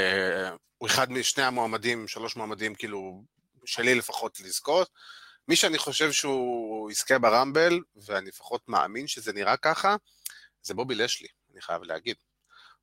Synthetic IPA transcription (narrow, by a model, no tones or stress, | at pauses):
e | ueχad̪miʃne̞jamoamadimʃalo̞ʃmoamadimkiːlu | ʃelilefaχo̞tliz̥ko̞t̚ | miʃeaniχo̞ʃe̞vʃeuiskebeʁambe̞l | veaniefḁχo̞tma̰a̰minʃezeniʁakaχa | zebo̞bileʃlḭ | aniχa̰ja̰vleha̰ɡid̪